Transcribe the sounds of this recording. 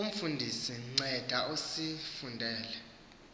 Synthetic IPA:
um̩fundʱisiŋ͡ǀɛd̥ʱaʔusifundʱɛːlɛ

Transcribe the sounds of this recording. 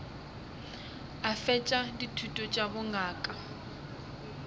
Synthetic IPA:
afɛt͡ʃʼaditʰutʼɔt͡ʃʼabʊŋaːkʼa

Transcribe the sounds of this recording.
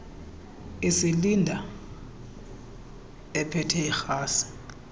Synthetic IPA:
isilindʱa | ɛpʰɛtʰɛixaːsi̥

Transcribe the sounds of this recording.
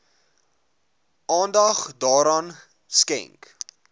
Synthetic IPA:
ʔɑːndɐχdɑːɾɑːn | skɛ̰ŋk

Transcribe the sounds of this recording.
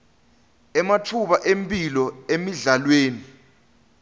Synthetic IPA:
ɛmatʰuɓaʔempʼilɔemiɮalweːni

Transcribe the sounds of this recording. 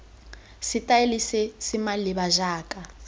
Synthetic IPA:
sitʼaelisɛsimaliβaʒaːkʼa

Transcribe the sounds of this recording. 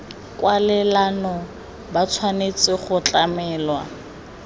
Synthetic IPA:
kʼwalɪlanɔ | bat͡sʰwanet͡sʼɪχʊt͡ɬʼamɛːlwa

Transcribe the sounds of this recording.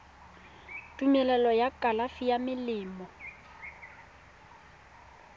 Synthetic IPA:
tʼumɛlɛlɔjakʼalafijamɪlɪːmɔ

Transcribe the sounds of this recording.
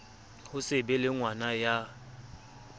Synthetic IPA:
hʊsɪbɛlɪŋwanaja

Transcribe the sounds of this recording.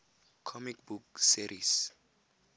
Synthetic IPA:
kʰɔmikbuksiɾis

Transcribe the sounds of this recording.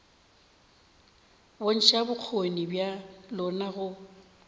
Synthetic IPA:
bon̩ʃabʊk͡xʰonibjalɔnaɣʊ

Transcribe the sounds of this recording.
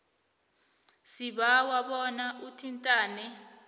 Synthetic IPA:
siɓawaɓɔnaʔutʰintʼaːnɛ

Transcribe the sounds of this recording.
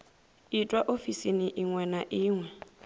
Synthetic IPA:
itʼwaʔofisiniʔiŋwɛnaʔɪːŋwɛ

